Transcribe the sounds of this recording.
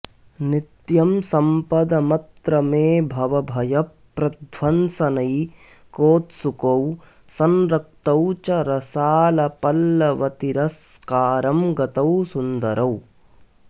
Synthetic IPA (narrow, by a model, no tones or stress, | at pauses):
nɪt̪jɐmsɐmpɐd̪ɐmɐt̪ɾɐmeːbʱɐʋɐbʱɐjɐpːɾɐd̪ʱʋɐnsɐnɐj | koːt̪sukɐw | sɐnɾɐk̚t̪ɐwt͡ʃɐɾɐsaːlɐpɐlːɐʋɐt̪iɾɐs | kaːɾɐmɡɐt̪ɐwsund̪ɐɾʔɐw